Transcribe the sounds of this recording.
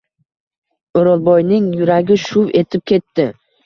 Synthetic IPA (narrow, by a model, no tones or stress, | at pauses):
oɾɒlˠbɒjnɪŋjʊɾaɡʲɪʃʊwe̞t̪ʰɪp̚kʲʰe̞t̪ʰːɪ